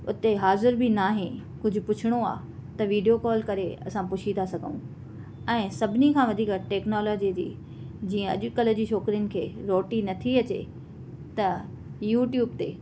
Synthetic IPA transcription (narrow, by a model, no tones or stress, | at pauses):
ʊt̪eɦaːzɪɾbɪnaːɦẽkʊd͡ʑʱʊ̆pʊt͡ɕʰɪɽ̃oa̰ː | t̪ɐʋiːɖijokɔːlkɐɾeɐ̰sãpʊʃʰit̪ʰasɐɡʱəũ | ɛ̃ːsɐbʱɪnikʰãːʋɐd̪ʱiːkʈeːknɔːloːd͡ʑid͡ʑḭː | d͡ʑiːə̃ɐ̰ʄʊkɐlə̆d͡ʑiʃʰoːkɾijʊnɪ̆kʰeːɾoːʈinɐt̪ʰiɐt͡ɕḛ | t̪ɐ | juːʈjuːb̚t̪eː